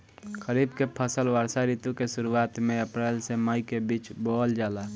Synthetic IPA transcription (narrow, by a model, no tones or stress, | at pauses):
kəɾiːbkepʰəsəlʋəɾsaɾiːt̪ukesʊɾuaːt̪mẽəpɾɛːlseməikebiːt͡ʃboːld͡ʒaːlaː